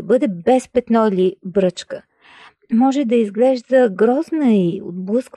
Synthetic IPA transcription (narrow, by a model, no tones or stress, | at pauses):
bɤd̪ɛbɛspɛt̪nɔilibɾɤt͡ʃkə | mɔʒɛd̪ɐizɡlɛʒd̪əɡɾɔznəio̰d̪̚blˠɤsk